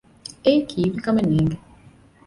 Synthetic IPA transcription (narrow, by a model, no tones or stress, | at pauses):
ekʰivikamɛniŋɡɛ